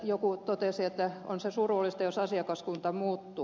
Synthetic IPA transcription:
jokut̪ot̪esiet̪ːæo̰nsesurulːist̪ɑjosɑsiɑkɑskunt̪ɑmuːt̪ːu

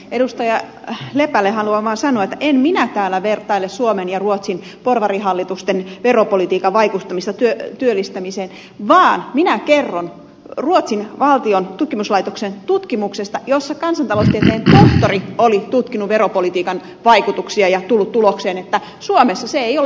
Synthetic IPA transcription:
eɾust̪ɑjɑ | lepælːehɑluɑʋɑːnsɑnoɑet̪ːæʔemminæt̪æːlːæʋert̪ɑilːessuomenjɑruot̪sin | porʋɑriɦɑlːit̪ust̪enʋeropolit̪iːkɑʋʋɑikut̪ːɑmist̪ɑt̪yøt̪yølːist̪æmiseːn | ʋɑːnminækerːon | ruot̪sinʋɑlt̪iont̪ut̪kimuslɑit̪oksent̪ut̪kimuksest̪ɑjosːɑkɑnsɑnt̪ɑloust̪iet̪eːnt̪oht̪oriolit̪ut̪kinuʋʋeɾopolit̪iːkɑn | ʋɑikut̪uksiɑjɑt̪ulːut̪tulokseːnet̪ːæ | suomesːɑseejol

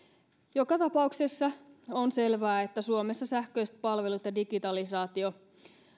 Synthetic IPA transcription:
jo̞kɑt̪ɑpɑukse̞sːɑonse̞lʋæːet̪ːæsuome̞sːɑsæhkø̞jst̪̚pɑlʋe̞lut̪jɑdiɡit̪ɑlisɑːt̪io̞

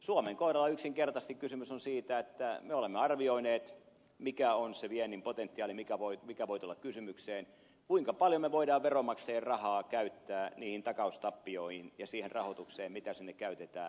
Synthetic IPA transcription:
suomeŋkoiɾɑlːɑyksiŋkert̪ɑst̪ikkysymysonsiːt̪æet̪ːæmeolemːeɑrʋioineːt̪ | mikæonseʋienːimpot̪ent̪ːiɑːlimikæʋoimikæʋoit̪ulːɑkkysymykseːn | kuiŋkɑpɑljomːeʋoidɑːʋʋeromɑkseːrrɑhɑːkæyt̪ːæːniːhint̪ɑkɑust̪ɑpːioihinjɑsiːhenrɑhot̪ukseːmmit̪æsinːekkæyt̪et̪æː

